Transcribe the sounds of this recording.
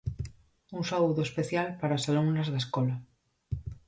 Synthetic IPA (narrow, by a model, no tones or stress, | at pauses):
unsauðoespeθjalpaɾaosaluŋnazðeskola